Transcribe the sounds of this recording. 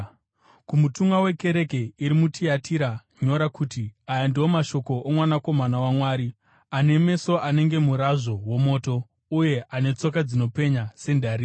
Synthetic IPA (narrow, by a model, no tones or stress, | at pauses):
kumutuŋɡawe̞ke̞ɾe̞ke̞iɾimutʰiatʰiɾaɲo̞ɾakuːtiajandiomaʃo̞ko̞ʔːmwanako̞manawamwaːɾi | ane̞me̞so̞ʔane̞ŋɡe̞muɾaʐo̞wo̞mo̞ːto̞ | uje̞ʔane̞t͡so̞kad͡zino̞pe̞ɲase̞ndaːɾi